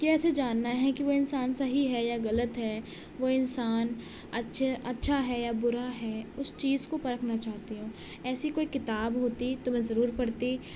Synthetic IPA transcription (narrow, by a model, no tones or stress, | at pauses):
kiɛːsed͡ʒaːnːaɦɛkiʋoɪnsaːnsɐɦiɦɛjaɣɐlət̪ɦɛː | ʋoɪnsaːn | ɐtːʃʰeʔɐtːʃʰaɦɛjabʊɾaɦɛːʊst͡ʃiːzkopɐɾəkʰnat͡ʃaːɦt̪iɦũː | ɛːsikoːikɪt̪aːbɦoːt̪it̪ʊmẽzɐɾuːɾpɐɽt̪i